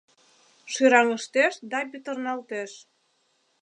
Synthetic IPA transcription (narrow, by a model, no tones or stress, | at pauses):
ʃyɾɑŋə̆ʃt̪eʃd̪ɑpyt̪ə̆rnɑlt̪eʃ